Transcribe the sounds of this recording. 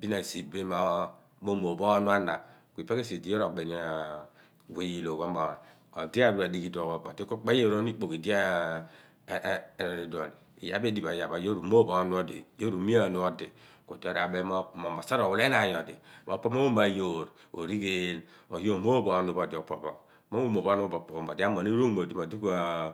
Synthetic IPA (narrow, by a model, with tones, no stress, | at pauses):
bi˦na˨si˨be˦ma˨ | mo˦mo˨bo˦nu˦a˦na˨ki˨pa˦ke˦si˨di˨˦o˦ɾo˨be˨ni˦a˨ | we˨ji˨lo˨ɡa˦mɔ˨ | o̰˨di˦a˦bu˦˨a˨di˨˦ki˨do˨o˨o̰˨di˦ko˦k͡pa˦jo˦˨ɾo˦ni˦k͡po˨ki˨di˦a˦˨ | ɾɾe˨do˨n˨ḭ˨ja̰˦be˦di˨ba˨ja˨ba˨jo˦ɾu˨mo˦bo˨˦nu˦o˦dḭ˨jo˦ɾu˨mi˦a˦˨nu˦ɔ˦di˨ko˨di˦o˨ɾa˨be˦m˦˨mo˨ma˨sa˦ɾo˨wu˨le˦na˨jɔ˨dḭ˨mo̰˨po˦mo˦o˦ma˨jo˨ɾ | o̰˨ɾi˦ke˦l | o˨hi˦o˦˨m˦o˦bo˨˦nu˨bo˨di˨o˨po˨bɔ˨ | mo˦o˦mo˨βo˦nu˦bo˨pɔ˨o˨m˨o˨di˦a˦mo˨ne˦o˦mo˨di˦mo˨di˦ka˨